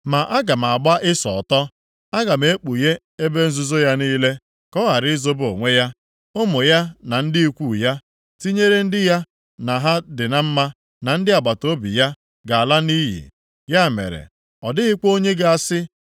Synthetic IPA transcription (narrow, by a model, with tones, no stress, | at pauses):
ma˨ʔa˦ɡa˨m˨a˨ɡ͡ba˦ʔɪ˦sɔ̰˨ɔ˨tɔ˦ | a˦ɡa˨m̩e˦k͡pu˨je˦ | e˦be˦n̩˦zʊ˦zo˦ja˦niː˦le˦ | kɔ˦ɣa˨ɾɪ˦zo˦bo̰˨ŋʷe˦ja˦ | ʊ˦mo˨ja˦na˨n̩˦dɪ˦i˦kʷu˦˨ja˦ | ti˦ɲe˦ɾe˦n̩˦dɪ˦ja˦ | na˨ɦa˦dɪ˨na˦m̩˦ma˦ | na˨n̩˦dɪ˦a˨ɡ͡ba˨to˦bḭ˨ja˦ | ɡa˨a˨la˦ni˦jḭ˨ | ja˦˨mḛ˨ɾḛ˨ | ɔ˨dɪ˦ɣɪ˦k͡po˦ɲe˦ɡa˨a˦˨sɪ˦